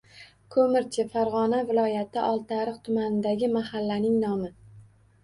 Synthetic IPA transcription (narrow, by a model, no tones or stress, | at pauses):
kʰɵmɪɾt͡ʃʰɪfaɾʁɒnavɪlˠɒjat̪ʰɪʔɒlˠt̪ʰaɾɨχt̪ʰʊmanɪd̪aɡʲɪmahalːanɪŋnɒmɪ